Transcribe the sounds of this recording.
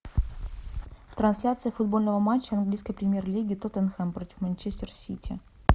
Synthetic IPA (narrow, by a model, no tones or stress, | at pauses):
t̪ɾɐnsʲlʲat̪sɨjəfʊd̪bolʲnəvəmat͡ɕːəɐnɡlʲijskəjpɾʲɪmʲjerlʲiɡʲɪt̪ot̪ənxɛmpɾotʲɪ̥fmɐnʲt͡ɕesʲtʲɪrsʲitʲʰɪ̰